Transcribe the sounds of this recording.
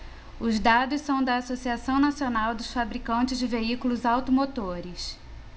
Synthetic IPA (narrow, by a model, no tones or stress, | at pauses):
ʊzd̪ad̪ʊssɐ̃w̃d̪ɐːsosiasɐ̃w̃nasionawd̪ʊsfabɾikɐ̃nt͡ʃɪzd͡ʒɪveikulʊzawt̪omot̪oɾɪs